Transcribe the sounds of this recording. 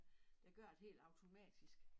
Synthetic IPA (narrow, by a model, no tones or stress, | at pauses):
d̥ɑɡ̥ɶɐ̰e̝d̥ɦe̝̰ːld̥ɑ̈ʊt͡sʰo̝mɛ̰ːd̥isɡ̥